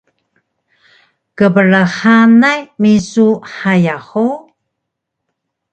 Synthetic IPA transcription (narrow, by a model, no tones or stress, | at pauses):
kəbəɭəxanajmisuħajaxu